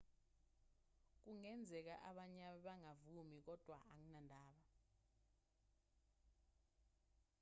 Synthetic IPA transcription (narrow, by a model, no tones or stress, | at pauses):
k̬uŋɛnd͡zʱɛk̬a̰ʔaɓaɲaɓɛɓaŋavumik̬ɔd̥ʱwaʔaŋinandʱaːɓa